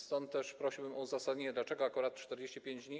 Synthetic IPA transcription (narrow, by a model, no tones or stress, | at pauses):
st̪ɔnt̪̚ːɛʂpɾɔɕiwbɘmʔɔuzasad̪ɲeɲɛd̪lat͡ʂɛɡɔakuɾat̪̚t͡ʂt̪ɛɾd͡ʑeɕt͡ɕipʲjeɲd͡ʑd̪ɲi